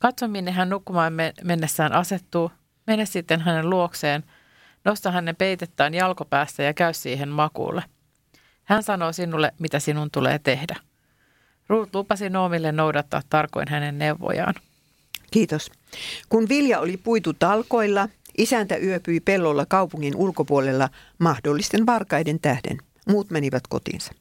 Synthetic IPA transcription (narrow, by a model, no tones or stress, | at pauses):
kɑt̪somːinːeɦænːnukːumɑːmeme̞nːesːæːnʔɑse̞t̪ːuː | me̞nessit̪ːenɦæne̞lluokse̞ːn | no̞st̪ɑɦænːepe̞jt̪et̪ːæːnjɑlko̞pæːst̪æjɑkæyssiːɦe̞nmɑkṵːlːe | hænsɑno̞ːsinulːemit̪æsinunt̪ulḛːt̪ehdæ | ruːt̪lupɑsino̞ːmilːenːo̞wdɑt̪ːɑ̰ːt̪ːɑrko̞̰inɦæne̞nːe̞wʋːo̰jɑ̰ːn | kiːt̪os | kunʋiljɑolipuit̪ut̪ɑlko̞ilːɑ | ʔisænt̪æʔyøpyipelːolːɑkɑupuŋːinʔulkopuolelːɑ | mɑhdolːist̪enʋɑrkɑjdent̪æhdḛn | muːt̪meniʋæt̪ko̞t̪ḭːnsɑ̥